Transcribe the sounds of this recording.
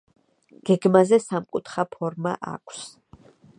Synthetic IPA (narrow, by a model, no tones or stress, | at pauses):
ɡ̥ɛɡmazɛsamkʼut̪ʰχapʰɔɾmaʔa̰kʷʰs